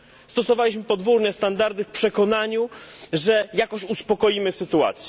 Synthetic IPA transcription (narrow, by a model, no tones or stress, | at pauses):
st̪ɔsɔvalʲiɕmɘpɔd̪vuɾɲɛst̪and̪aɾd̪ɘfpʂɛkɔnaɲuʐɛjakɔɕuspɔkɔjimɘsɘt̪ua̰t̪sʲjɛ